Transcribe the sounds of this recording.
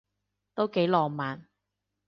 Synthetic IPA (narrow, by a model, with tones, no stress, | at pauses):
t̪o˥wke˨˥jlɔː˨maː˨n